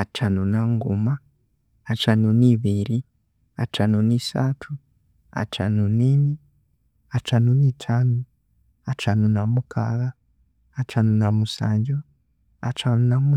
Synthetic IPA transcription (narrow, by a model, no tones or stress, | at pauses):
at͡ʃanunaŋɡumaː | t͡ʃanuniβiɾi | at͡ʃanuniːsatʰu | a̰t͡ʃa̰nunini | at͡ʃanunitʰaːnu | at͡ʃanunamukʰa̰ɣaː | t͡ʃanunamusa̰ːɲɟo | at͡ʃanunamu